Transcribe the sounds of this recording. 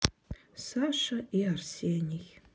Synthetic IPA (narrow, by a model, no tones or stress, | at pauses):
saʂaiarsenʲiɣʲ